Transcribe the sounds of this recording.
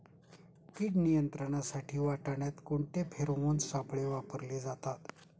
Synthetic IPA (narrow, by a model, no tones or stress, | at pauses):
kiːʈnijənt̪ɾəɳ̃asaʈʰiːʋaʈaɳjat̪koɳʈ̪epʰeɾomonsapɭeʋapəɾled͡zat̪at̪